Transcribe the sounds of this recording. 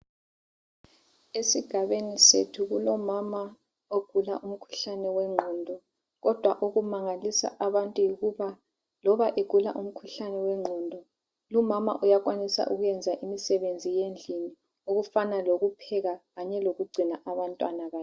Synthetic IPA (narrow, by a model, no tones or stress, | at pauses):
esiɡ̥ʱaβenisetʰuɣulɔmama | oɡ̥ʱula̰ʔum̩kʰu̥ɬanɛwɛŋ͡ǃʱɔndʱɔ | ɣɔd̥ʱwaʔuɣumaŋalisa̰ʔaβantʼujiɣuβa | lɔβaʔeɡ̥ʱula̰ʔum̩kʰuɬanɛwɛŋ͡ǃʱɔndʱɔ | lumama̰ʔujaɣwanisa̰ʔuɣujɛnd͡zʱaʔimisɛβend͡zʱijend͡ɮʱini | uɣufanaloɣupʰɛɣaɣaɲɛloɣuɡ͡ǀʱinaʔaβantʼwa̰naɣaː